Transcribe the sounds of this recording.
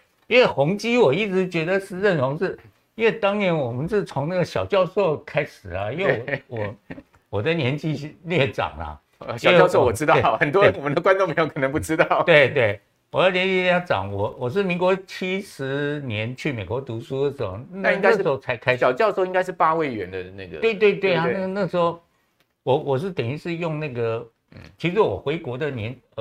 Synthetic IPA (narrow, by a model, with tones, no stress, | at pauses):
i˥nwe˥˩xʊ˧˥ŋt͡ɕi˥wɔ˨˩i˥˩ʈ͡ʂɻ̩˧˦t͡ɕɥɛ˧˥d̪ə˧ʂɻ̩˥˧ɻə˥˩nʈ͡ʂʰʊ˧˥ŋʂɻ̩˥˩ | i˥nwe˥˩ɪt̪ɑ˥ŋnjɛ˧˥nwɔ˨˩mə˦nʂɻ̩˥˩t͡sʰʊ˧˥ŋna˥˩ɡə˩ɕjɑ˨˩ʊt͡ɕjɑ˥˧ʊʂo˥˩ʊkʰa˥ɪʂɻ̩˨˩ɐ˦i˥nwe˥˧˦wɔ˨˩ | wɔ˨˩d̪ə˦njɛ˧˥nt͡ɕi˥ljɛ˥˩ʈ͡ʂɑ̰˨˩ŋlɐ̰˦˧˩ | ɕɑ˨˩˥jɑ˥˧so˥˩wɔ˨˩ʈ͡ʂɻ̩˥t̪ɑ˥˩ʊxə˨˩nt̪wɔ˥ə˧˦nwɔ˨˩mə˦nd̪ə˧kwa˥nʈ͡ʂo˥˩ŋpʰjkʰə˨˩nə˧˦˥p̬u˥˩ʈ͡ʂɻ̩˥t̪ɑ˥˩ʊt̪we˥˧ɪt̪we˥˩ɪ | wɔ˨˩d̪ə˦njɛ˧˥nt͡ɕi˥jʈ͡ʂɑ̰˨˩˦ŋwɔ˨˦wɔ˨˩ʂ̬ɻ̩˥˩mi˧˥ŋkwɔ˧˥t͡ɕʰi˥ʂɻ̩˧˦njɛ˧˦nt͡ɕʰy˥˩me˨˩ɪkwɔ˧˥t̪u˧˥ʂu˥də˨˩ʂə˧˥˩na˥˧˥na˥ɡə˥ʂ̩˧˥xo˥ʊt͡sʰa˧˥ɪkʰa˥ɪɕjɑ˨˩ʊt͡ɕjɑ˥˧ʂ̩˥˧i˥ŋka˥ɪʂɻ̩˥˩pa˥we˥˩ɪɥɛ˧˦nd̪ə˧na˥˩ɡə̰˩t̪we˥˧ɪt̪we˥˧ɪt̪we˥˩ɪa˨na˥˧na˥˩əʂɻ̩˧˥xo˧ʊ | wɔ˨˩wɔ˨˩ʂ̬ɻ̩˥˩t̪ɛ˨˩ni˧˥ʂɻ̩˥˧jʊ˥˧ŋna˥˩ɡə˩ | t͡ɕʰi˧˥ʂɻ̩˧˥wɔ˨˩xwe˧˥ɪkwɔ˧˥d̪ə˧˨njɛ˧˥n